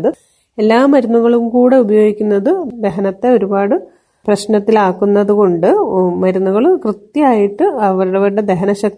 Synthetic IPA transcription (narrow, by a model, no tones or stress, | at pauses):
ðɨ | e̞lːaːmːɐɾunːuɣɐɭumkuːɽe̞ubɐjo̞ːɡikʲːunːɐðɨd̪e̞ɦɐnɐt̪ːe̞o̞ɾubaːɽɨ | prɐɕnɐt̪ːilaːkːunːɐðuɣo̞ɳɖɨmɐɾunːuɣɐɭkrɨt̪jɐaːjiʈːɨɐʋɐɾuɽɐʋɐɾuɽe̞d̪e̞ɦɐnɐɕɐk̪̚